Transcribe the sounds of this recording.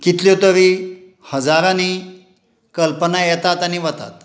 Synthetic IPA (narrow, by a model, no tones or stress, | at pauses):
kit̪let̪əɾiː | həd͡zaɾãni | kəlpənajɛt̪at̪aniʋət̪a̰t̪̚